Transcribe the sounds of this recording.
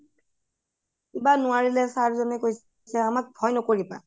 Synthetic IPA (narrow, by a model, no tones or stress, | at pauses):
ibanʊaɹilɛsaɹzɔnɛkojs | sɛamak̚bʱɔjnɔkoɹipa̰